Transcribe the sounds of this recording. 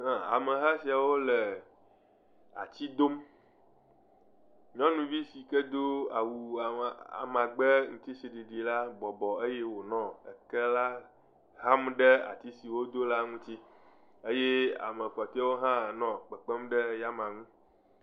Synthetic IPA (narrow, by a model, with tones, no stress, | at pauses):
nã˨a̰˨mə˨ɦa˦si˨a˨wo˦lə˨ | a̰˨t͡ɕi˦d̪o˦m | ɲɔ̃˦nũ˨vi˦si˨kə˦d̪o˦a˨wu˨a̰˨mã˨ɡ͡bə˦ŋũ˦t̪i˦si˨ɖi˨ɖi˨la˦bɔ˨bɔ˨ə˦je˦wo˨nɔ̃˦ə̰˨kɛ˦la˦ | ɦa˦mɖə˦a̰˨t̪i˦si˨wo˦d̪o˦la˦ŋũ˦t͡ɕi˦ | e˦je˦a̰˨mə˨ɸɔ˨t̪a˦wo˦ɦã˦˨nɔ̃˨k͡pə˨k͡pə˦mɖə˦ja˦mã˨ŋũ˦